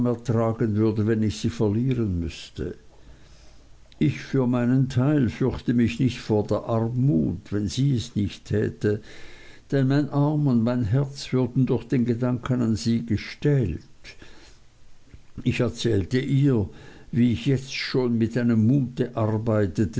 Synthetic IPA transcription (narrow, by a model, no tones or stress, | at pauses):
mɛɐtʁ̥aːɡənvʏɐdəvɛnɪçz̥iːfɛɐliːʁənmʏ̰stʰə̰ | ɪçfyːɐmaɪnəntʰaɪlfʏɐçtəmɪçnɪçtfoːɐdeːɐʔaʁmːṵːtvɛnziːɛsnɪçtʰːɛ̰ːtə | d̥ɛnmaɪnʔaɐmʊndmaɪnɦɛɐt͡sv̥ʏɐdn̩dʊχd̥eːnɡədaŋkʰənanziːɡəʃtɛlt | ɪçɛɐt͡sɛːltəʔiːɐviːɪçjɛt͡stʃoːnmɪtaɪnəmːuːtəʔaʁbaɪtətə